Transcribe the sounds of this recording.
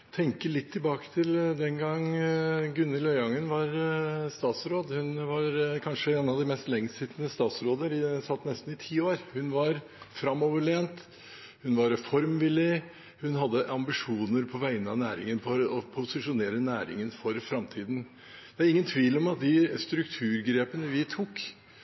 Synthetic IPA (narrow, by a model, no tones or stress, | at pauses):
t̪ʰɛŋkəɭɪt̪ʰːɪlbɑːkə̥t̪ʰɪld̪ɛnɡɑŋː | ɡʉnːəlœʏɑŋːənʋɑɾst̪ɑːt̪sɾoːd̪hʉnʋɑɾkʰɑnʂəeːnɑʋd̪ɪmɛst̪lɛŋːsɪt̪ːnəst̪ɑːt̪sɾoːd̪əɾɪsɑt̪ːnɛst̪n̩ɪt̪ʰiːoːɾhʉnʋɑɾ | fɾɑmɔʋəɭeːnt̪ | hʉnʋɑɾɛfɔɾmʋɪlɪ | hʉnɦɑd̪ːəʔɑmbɪʂuːnəɾpʰɔʋæɪnəɑnæːɾɪ̰ŋənpʰɔɾɔpʰʊsɪʂʊneːɾənæːɾɪ̰ŋənfɔɾfɾɑmt̪ʰiːd̪n̩ | d̪̥ɛæɾɪŋːənt̪ʰʋiːlɔmɑt̪̚d̪ɪst̪ɾʉkt̪ʰʉːɾɡɾeːpənəʋɪt̪ʰuːk